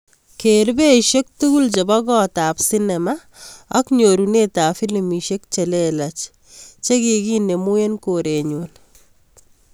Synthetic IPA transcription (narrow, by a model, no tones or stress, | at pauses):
keɾbeʃek̚tuɡult͡ʃebɔɡɔtapsinɛma | ɔkɲoɾunetafilimiʃek̚t͡ʃɛlelat͡ʃ | t͡ʃekiɡinemujenkoɾeɲun